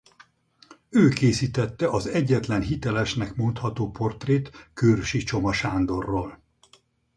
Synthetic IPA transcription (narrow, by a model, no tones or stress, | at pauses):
øːkeːsiːt̪ɛt̪ːɛʔɒzɛɟːɛt̪lɛnɦit̪ɛlɛʃnɛkmo̞nt̪hɒt̪oːpʰo̞rt̪reːt̪køːrʃit͡ʃo̞mɒʃaːnd̪o̞rːoːl